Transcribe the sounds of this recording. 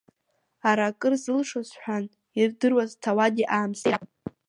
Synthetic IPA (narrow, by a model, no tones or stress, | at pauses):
aɾakʼɨrzɨlʂozħʷᶣan | irdɨrwaztʰawadʲiʔaːmsʼ